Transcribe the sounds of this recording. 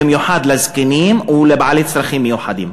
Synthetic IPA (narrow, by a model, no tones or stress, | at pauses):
mjuħaːd̪lazkɪniːmwlɪbʕaliːt̪sɾˤaxiːmjuħad̪ḭːm